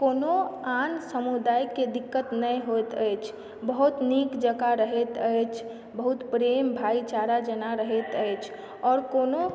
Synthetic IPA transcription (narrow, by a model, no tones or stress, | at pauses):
koːnoansəmud̪aːjked̪ɪkːət̪nəɦot̪əjt͡ʃʰ | bəɦut̪niːkd͡ʒəɡaɾəɦet̪əjt͡ʃʰ | bəɦut̪pɾeːmbʱaːit͡ʃaɾad͡ʒənaɾəɦet̪əjt͡ʃʰ | ɔːɾkoːno